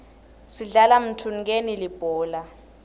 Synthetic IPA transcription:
siɮalam̩tʰun̩k̬enilib̥ʱɔːla

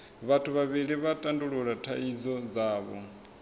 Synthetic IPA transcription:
βatʰuβaβiɺiβatʼanduɺuɺatʰa̰izɔd͡zaːβɔ̰

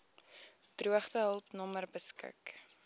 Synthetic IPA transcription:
d̥ruəχdəɦəlˠpnɔmərbəskə̰k

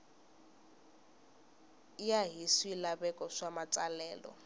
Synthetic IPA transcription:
ijaɦisiːlaβɛkʼɔʂamat͡sʼalɛːlɔ̰

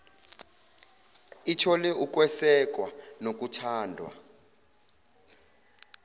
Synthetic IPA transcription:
itʰɔlɛʔuk̬ʼwɛsɛk̬ʼwanok̬ʼutʰaːndʱwa̰

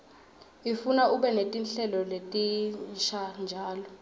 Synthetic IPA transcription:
ifunaʔuɓɛnetʼinɬɛlɔletʼinʃand͡ʒʱaːlɔ

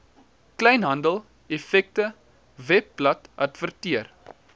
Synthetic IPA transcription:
klɛjnɦɐndəlˠ | ɛfɛk̚tə | vɛpːlɐtɐ̰tvərtiər

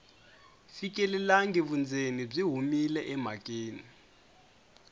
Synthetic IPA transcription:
fikʼɛlɛlaŋɡɛβund͡zenib͡ʐiɦumilɛʔɛm̤akʼeːni

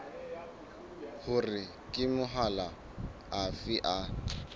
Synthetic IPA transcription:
hʊrɪ | kʼɪmʊɦala | afɪʔa

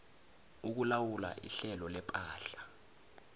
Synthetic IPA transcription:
uk̬ulawula̰ʔḭɬɛlɔlɛpʼaːɬḁ

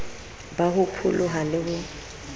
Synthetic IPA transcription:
bahʊpʰʊlʔʊɦalɪhʊ

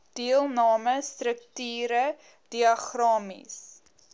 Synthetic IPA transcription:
d̥iəlˠnɑːməstrək̚tyːɾə | d̥iɐχrɑːmḭs

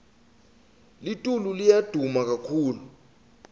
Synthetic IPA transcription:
litʼululijad̥ʱumak̬akʰuːlu

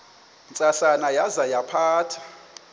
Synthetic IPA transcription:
nt͡sʼaɬanajazajapʰaːtʰḁ

